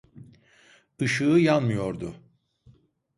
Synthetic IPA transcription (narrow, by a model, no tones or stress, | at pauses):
ɯʃɯːjanmɯjo̞ɾd̪ʊ